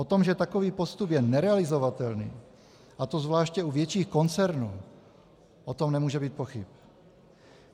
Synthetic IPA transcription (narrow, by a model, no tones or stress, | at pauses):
ʔot̪o̞mʒɛt̪akoviːpost̪upjɛnɛɾɛalɪzo̞vat̪ɛlnḭː | ʔat̪ozvlaːʃcɛuvjɛt͡ʃiːxko̞nt͡sɛɾnuː | ʔot̪omnɛmuːʒɛbiːt̪̚poxɪp